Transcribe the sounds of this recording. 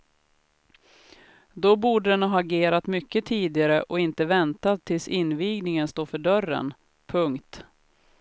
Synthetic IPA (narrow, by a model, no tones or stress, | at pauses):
d̪ɔbuːɖəd̪ɛnhɑaːɡeːɾat̪mʏkːət̪ʰiːd̪ɪɡaɾəʔɔɪnt̪əvɛnt̪at̪ʰːɪlsɪnːviːɡnɪŋənst̪oːfœɖœrə̰n | pʰɵŋkt̪